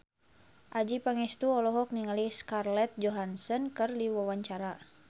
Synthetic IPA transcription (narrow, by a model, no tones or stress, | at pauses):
ʔad͡ʒipaŋɛst̪uɔlɔɦɔk̚niŋaliskarlɛt̪̚d͡ʒɔɦansɔnkɨrdiwawaɲt͡ʃaɾa